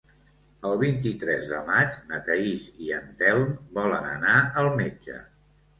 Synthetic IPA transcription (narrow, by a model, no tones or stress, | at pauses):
əlˠβint̪̬it̪ɾɛzðə̰mad͡ʒmət̪əiziənt̪ɛlnbɔlənə̰naəlˠmed͡ʒə̰